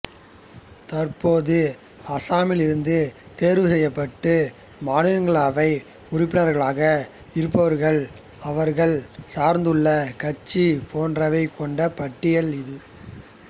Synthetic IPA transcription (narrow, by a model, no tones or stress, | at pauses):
t̪ɐɾpoːðɯ | ɐsaːmɪlɪɾɯnd̪ɯt̪eːɾʋɯsɛjːɐpːɐʈːɯ | maːnɪlɐŋɡɐɭaːʋɐɪ | ʊɾɪp̬ːɪnɐɾɣɐɭaːɣɐ | ɪɾɯp̬ːɐʋɐɾɣɐɭ | ɐʋɐɾɣɐɭsaːɾnd̪ɯɭːɐkɐt͡ʃːipʰoːndrɐʋɐɪkɔɳɖɐpɐʈːɪjɐɭɪðɯ